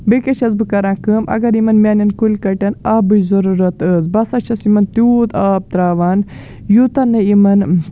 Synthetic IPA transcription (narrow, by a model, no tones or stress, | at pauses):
bekʲɐt͡ʃʰɐzbɨkɐɾãːkɨmʔɐ̰ɡɐɾimɐnmʲaːnɐnkulʲkɐʈɐnɐbɨjzɐɾuɾɐt̪əːzbɐsɐt͡ʃʰɐsimɐnt̪uːt̪aːb̚t̪ɾaːʋaːn | jut̪ɐnːɨimɐn